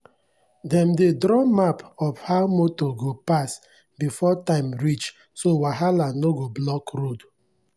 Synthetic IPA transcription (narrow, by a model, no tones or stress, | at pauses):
dɛmdedɾɔmapɔfhaʊmotoɡopas | bifɔtãɪ̃mɹit͡ʃ | sowaɦalanoɡoblɔkɾod